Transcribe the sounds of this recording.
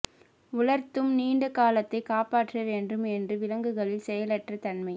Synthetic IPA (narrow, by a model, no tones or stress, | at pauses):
ʊlɐɾt̪ːɯmniːɳɖɐkaːlɐt̪ːɐɪkaːpaːʈrɐʋeːndɯmɛndrɯʋɪlɐŋɡɯɣɐɭɪlsɛjɐlɐʈrɐt̪ɐnmɐɪ